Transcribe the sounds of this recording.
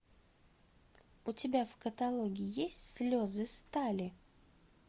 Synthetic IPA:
ʊtʲɪbʲafkət̪ɐlˠoɡʲɪːjesʲtʲslʲozɨst̪alʲɪ

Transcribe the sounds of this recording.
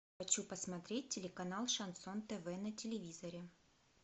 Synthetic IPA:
xɐt͡ɕupəsmɐt̪ɾʲet̚ʲtʲɪlʲɪkɐnalˠʂɐnsont̪ɛvɛnɐtʲɪlʲɪvʲizəɾʲɪ

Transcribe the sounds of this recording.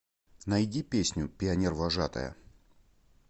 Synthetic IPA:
nɐjdʲipʲesʲnʲʊpʲɪɐnʲervɐʐat̪ə̰jə̰

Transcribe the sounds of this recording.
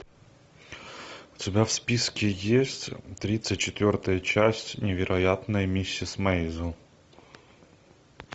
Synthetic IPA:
ʊtʲɪbʲafspʲiskʲɪjesʲtʲt̪ɾʲit̪sɨt̚ʲt͡ɕːɪt̪vʲo̞rt̪əjət͡ɕæsʲtʲnʲɪvʲɪɾʔɐjat̪nəjmʲisʲːisməjzʊ

